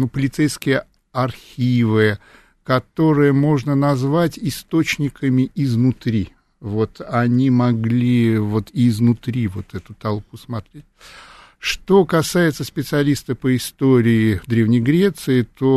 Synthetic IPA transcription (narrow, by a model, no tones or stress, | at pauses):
nupəlʲɪt̪sɛjskʲɪjə | ɐrxʲivɨ | kɐt̪o̞ɾɨjəmo̞ʐnənɐzvatʲɪst̪o̞t͡ɕnʲɪkəmʲɪɪznʊt̪ɾʲi | vo̞t̪ɐnʲimɐɡlʲivo̞t̪ɪːznʊt̪ɾʲivo̞t̪ɛt̪ʊt̪ɐlˠpusmɐt̪ɾʲetʲ | ʂt̪o̞kɐsajɪt̪səspʲɪt̪sɨɐlʲist̪əpəɪst̪oɾʲɪɪd̪ɾʲe̞vnʲɪjɡɾʲe̞t̪sɨɪt̪o̞